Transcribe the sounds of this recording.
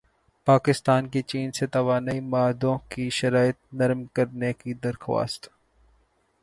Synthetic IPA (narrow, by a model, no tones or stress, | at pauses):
paːkɪst̪aːnkit͡ʃiːnset̪ɐʋaːnaːimaːd̪õkiʃɐɾaːɪət̪̚nɐɾmkɐɾnekid̪ɐɾxwa̰ːst̪